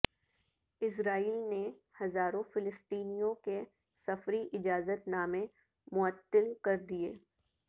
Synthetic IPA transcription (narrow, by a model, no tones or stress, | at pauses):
ɪs̬ɾaːiːlne | hɐzaːɾõfɪlɪst̪iːnijõke | sɐfɾiʔɪd͡ʒaːzət̪naːmẽ | mʊət̪ːəlkɐɾd̪ieː